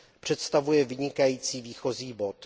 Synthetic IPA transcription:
pr̝̥ɛt̪st̪avujɛvɪɲɪkajiːt͡siːviːxo̞ziːbo̞t̪

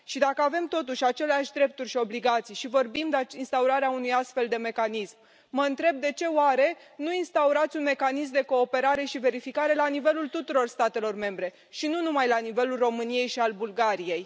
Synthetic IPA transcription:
ʃid̪akəave̞mt̪o̞t̪uʃʲat͡ʃe̞leaʃʲd̪ɾe̞p̚t̪urʲʃio̞bliɡat̪sijʃivo̞rbimd̪ainst̪auɾaɾeaunujast̪fe̞ld̪e̞me̞kanismː | əɨnt̪ɾe̞b̚d̪e̞t͡ʃe̞oaɾe̞nuinst̪auɾat̪sʲunme̞kanismd̪e̞ko̞ːpe̞ɾaɾe̞ʃive̞ɾifikaɾe̞lanive̞lult̪ut̪uɾo̞rst̪at̪e̞lo̞rme̞mbɾe̞ | ʃinunumajlanive̞lulro̞mɨnije̞jʃialbulɡaɾije̞j

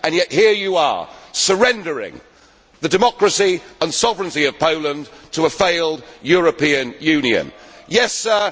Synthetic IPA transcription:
ə̃njɛʔ̚hiɹjəə̰sə˞ɛ̃ndə˞ɪ̰̃ŋ | ðɨdɨmɒkɹɨsiə̃nsɒvɹɨ̃ntiʌv̥pʰoʊlˠə̃ntʰəːfeɪlˠdjɔɹɨpĩɨ̃njʉ̃niɨ̰̃njɛsə˞

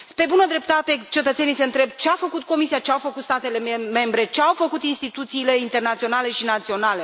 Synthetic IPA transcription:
spɾe̞bunəd̪ɾe̞p̚t̪at̪e̞t͡ʃe̞t̪ət̪se̞nise̞ɨnt̪ɾe̞bt͡ʃeafəkut̪̚ko̞misiat͡ʃeawfəkut̪st̪at̪e̞le̞me̞mbɾe̞t͡ʃeawfəkut̪inst̪it̪ut̪siːle̞int̪e̞rnat̪sio̞nale̞ʃinat̪sio̞nale̞

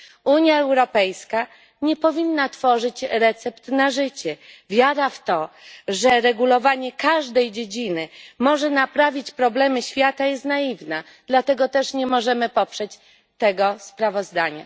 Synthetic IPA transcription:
uɲjaɛwɾɔpɛjska | ɲɛpɔvʲinːat̪fɔʐɘt͡ɕɾɛt̪sɛpt̪naʐɘt͡ɕɛvʲjaɾaft̪ɔʐɛɾɛɡulɔvaɲɛkaʐd̪ɛjd͡ʑed͡ʑinɘmɔʐɛnapɾavʲit͡ɕpɾɔblɛmɘɕfʲjat̪ajɛst̪naivna | d̪̥lat̪ɛɡɔt̪ɛʂɲɛmɔʐɛmɘpɔpʂɛt͡ɕ | t̪ɛɡɔspɾavɔzd̪aɲa̰

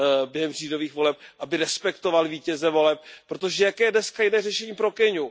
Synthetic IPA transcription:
bjɛɦɛmr̝iːdo̞viːxvo̞lɛp̚ʔabɪɾɛspɛkt̪o̞valviːcɛzɛvo̞lɛp̚pːɾot̪o̞ʒɛjakɛːjɛdnɛskajɪnɛːrɛʃɛɲiːpɾo̞kɛɲu

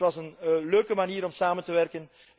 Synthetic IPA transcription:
ʋɑsənløːkəmaniːɾɔmsaːməntəʋɛrkən

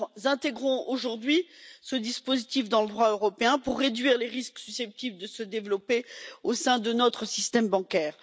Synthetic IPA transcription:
zɛ̃t̪eɡʁɔ̃oʒuʁd̪ɥisəd̪ispozit̪ifd̪ɑ̃ləd̪ʁwaøʁɔpeɛ̃puʁːed̪ɥiʁleʁisksysɛp̚t̪ibləd̪əsəd̪evlɔpeosɛ̃d̪ənɔt̪χəsist̪ɛmbɑ̃kʲɛːʁ

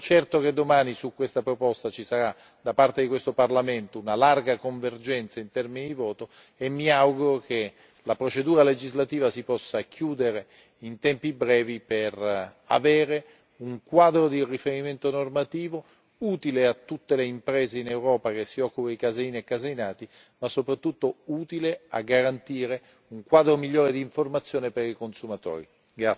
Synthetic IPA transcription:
t͡ʃɛrt̪oked̪ːomaːnisukːwest̪apɾopɔst̪at͡ʃisaɾa | d̪̥apart̪ed̪ikwest̪oparlament̪ounalarɡakoɱverd͡ʒɛnt̪saint̪ɛrminid̪ivɔːt̪o | emːiawɡuɾokʰe | lapɾot͡ʃed̪uːɾaled͡ʒizlat̪iːvasipɔsːakʰjuːd̪eɾe | int̪ɛmpibɾɛːviper | a̰veːɾe | uŋkwaːd̪ɾod̪irifeɾiment̪onormat̪iːvo | uːt̪ileat̪ːut̪ːeleimpɾeːzeinewɾɔːpakesːiɔkːupaikazeiːniekːazeinaːt̪i | masːopɾat̪ːut̪ːouːt̪ilea̰ɡːaɾant̪iːɾe | uŋkwaːd̪ɾomiʎːoːɾed̪iːɱformat̪sːjoːnepeɾikonsumat̪o̰ːɾḭ | ɡɾa

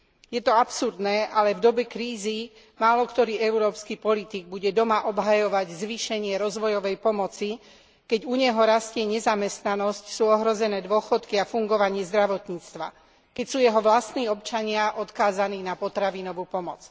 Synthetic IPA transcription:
jɛt̪ɔapsuɾd̪nɛːʔalɛvd̪ɔbɛkɾiːzi | maːlɔkt̪ɔɾiːɛʊɾɔːpskipɔlit̪iɡ̚buɟɛd̪ɔmaʔɔbɦajɔʋaɟzʋiːʃɛɲɪɛɾɔzʋɔjɔʋɛjpɔmɔt͡si | kɛɟuɲɛɦɔɾascɪɛɲɛzamɛst̪nanɔscsuːɔɦɾɔzɛnɛːd̪ʊɔxɔt̪kiafuŋɡɔʋaɲɪɛzd̪ɾaʋɔt̪ɲiːt͡st̪ʋa̰ | kɛcsuːjɛɦɔʋlast̪niːɔpt͡ʃaɲɪaʔɔt̪kaːzaniːnapɔt̪ɾaʋinɔʋuːpɔmɔt͡s

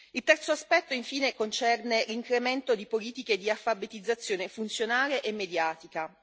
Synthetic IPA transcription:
ilt̪ɛrt̪soaspɛt̪ːoiɱfiːnekont͡ʃɛrneliŋkɾement̪od̪ipoliːt̪iked̪iafabet̪id̪zːat̪sːjoːnefunt̪sjonaːleʔemːed̪jaːt̪ika

